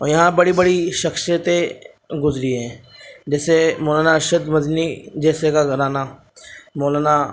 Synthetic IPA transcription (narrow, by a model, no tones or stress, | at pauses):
ɔːjɐɦãbəɽibəɽiʃəxsjət̪e | ɡʊzɾiɦɛ̃ːd͡ʒɛːsemoːlaːnaʃəd̪məd̪nid͡ʒɛːsekaɡʱəɾaːnaː | moːlana